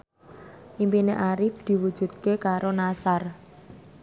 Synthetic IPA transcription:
ʔimpineʔaɾɪfd̪̥i̤wud̥ʒ̥ṳd̪̚kekaɾonasar

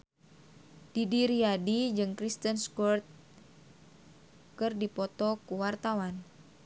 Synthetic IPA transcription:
d̥idiɾiadid͡ʒɨŋkɾist̪ənskɔrt̪̚ | kɨrdipɔt̪ɔkuwart̪awan

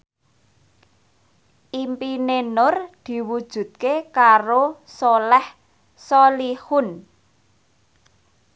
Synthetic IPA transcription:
ʔimpinenʊrd̪̥i̤wud̥ʒ̥ṳt̪̚kekaɾosolɛh | sɔlihʊn

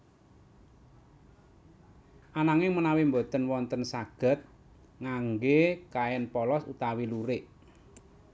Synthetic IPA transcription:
ʔanaŋɪŋmənawimbo̤t̪ənwɔnt̪ənsaɡ̥ə̤t̪̚ | ŋaŋɡekaɛnpɔlɔsṵt̪awiluɾɪʔ

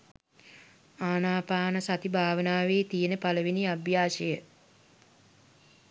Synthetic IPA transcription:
aːnaːpaːnəsat̪ibʱaːʋənaːʋeːt̪ijənəpaləʋiniabjaːʃəjə

